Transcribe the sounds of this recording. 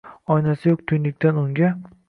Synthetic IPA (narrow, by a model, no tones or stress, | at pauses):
ɒjnasɪjokt̪ʰʊj̪lɪk̚ʲt̪ʰanʊŋɡʲa